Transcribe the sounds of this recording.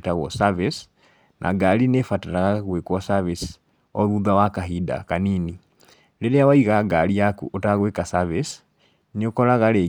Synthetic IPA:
taɣwo̰savis | nʔa̰ɡalinefataɾaɣaɣwekwosaβis | oðuðawakaɦida̰kaniːni | leɾejawaiɣaɡaliakṵʔotaɣwekasaβis | niokolaɣale

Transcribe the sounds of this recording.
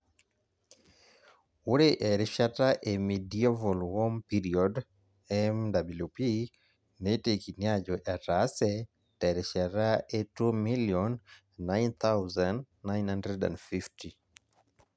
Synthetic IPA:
uɾeʔɛɾiʃataʔemidiɛvɔlhɔmpiɾiɔd | ɛmdabljupi | netekiniad͡ʒɔʔɛtasɛ | tɛɾiʃataʔetumiliɔn | najnθawzand | najnhandɾɛdɛ̰̃ndfifti

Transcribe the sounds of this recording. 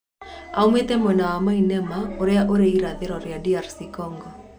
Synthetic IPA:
a̰umetɛmwɛnawamainɛmaoɾeaʔoɾeiɾaðeɾɔɾeadiaɾsikɔŋɡɔ

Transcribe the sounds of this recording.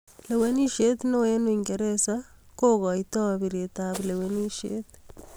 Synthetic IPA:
leweniʃet̪noenuiŋɡeɾesakoɣɔitoaβiɾet̪aβleweniʃḛt̪

